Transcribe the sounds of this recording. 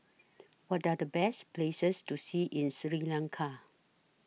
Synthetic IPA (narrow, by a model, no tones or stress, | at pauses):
wɔtadəbɛsplesəstusiʔĩnsɹilãŋkʰa